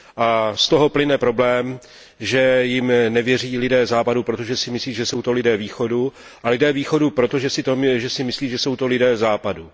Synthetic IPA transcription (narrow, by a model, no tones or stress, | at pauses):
ʔast̪o̞ɦo̞plɪnɛpɾo̞blɛːm | ʒɛjɪmnɛvjɛr̝iːlɪdɛːzaːpadupɾo̞t̪o̞ʒɛsɪmɪsliːʒɛso̞wt̪o̞lɪdɛːviːxo̞du | ʔalɪdɛːviːxo̞dupɾo̞t̪o̞ʒɛsɪt̪oʒɛsɪmɪsliːʒɛso̞wt̪o̞lɪdɛːzaːpadu